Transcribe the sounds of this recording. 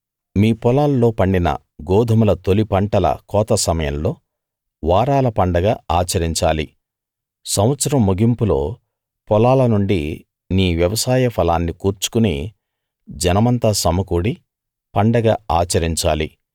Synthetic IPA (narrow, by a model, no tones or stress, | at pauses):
miːpɔlaːlːo̞ːpɐɳɖinɐ̰ | ɡɔːd̪ʱɐmulɐt̪olipɐɳʈɐlɐ̰kɔːt̪ɐsɐmɐjɐmlo̞ː | ʋaːɾaːlɐpɐɳɖɐɡaːaːt͡ʃɐɾiɲt͡ʃa̰ːli | sɐmʋɐt̪sɐɾɐmːuɡʱimpulo̞̰ː | pɔlaːlɐnuɳɖi | niːʋjɐʋɐsaːjɐpʰɐlaːnːikuːɾt͡ʃu̥kunḛː | d͡ʒɐnɐmɐnt̪aːsɐmɐkuːɽi | pɐɳɖɐɡaːaːt͡ʃɐɾiɲt͡ʃa̰ːli